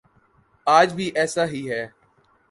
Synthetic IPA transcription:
aːd͡ʒbʱiːʔɛːsaːɦiːɦɛː

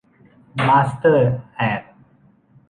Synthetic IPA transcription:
maːst̪əɾhɛːɾ

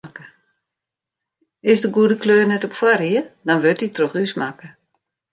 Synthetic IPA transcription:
kə | ɪsdəɡuədəkløːrnɛtɔpfwariədɔnʋøtitroχysmakə

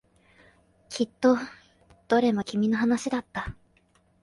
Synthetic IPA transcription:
kʲʰit̪ːo̞ | d̪̥oɾe̞makʲimʲino̞ɦanaɕid̪at̪ːa

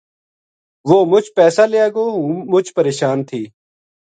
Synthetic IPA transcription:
ʋoːmʊt͡ʃʰpɛːsaːleaːɡoːɦũːmʊt͡ʃpəɾeːʃaːnt̪ʰiː

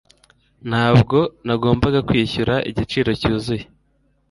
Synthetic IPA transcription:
n̥haːbɡo̞naɡo̞ːmbaɡakwiːçuɾaʔḭɟit͡ʃiːɾo̞cuːzuje

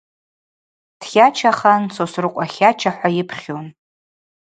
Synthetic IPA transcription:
d̥χʲat͡ʃʰaχansosrɨqʷʼaχʲat͡ʃʰaħʷajɪpʰχʲon

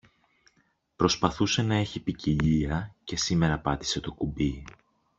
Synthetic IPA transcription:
pɾo̞spɐθuse̞nɐe̞çipiciʎiɐce̞sime̞ɾɐpɐt̪i̥se̞t̪o̞kubi

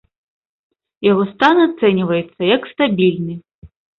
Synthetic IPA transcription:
jaɣɔst̪anat̪sɛnʲivɐjɛt̪sːɐjɐkst̪abʲilʲnɨ

